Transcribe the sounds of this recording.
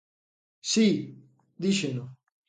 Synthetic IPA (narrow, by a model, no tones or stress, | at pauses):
si | d̪iʃeno